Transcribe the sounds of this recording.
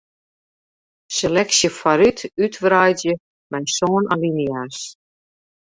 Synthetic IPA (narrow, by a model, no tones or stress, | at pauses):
selɛksjəfaɾytytʋrajdjə | mɛjsoːna̰linjas